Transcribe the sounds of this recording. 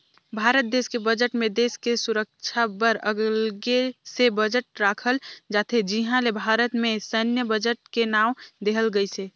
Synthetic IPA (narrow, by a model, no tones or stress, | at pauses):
bʱaɾət̪̚d̪eskebəd͡ʒəʈmẽd̪eskesuɾək̚t͡ʃʰabəɾəɡlɡesebəd͡ʒəʈɾakʰəld͡ʒat̪ʰed͡ʒiɦãlebʱaɾət̪mesənjəbəd͡ʒəʈ̚kenaʊd̪eɦəlɡəjt͡ʃʰɛ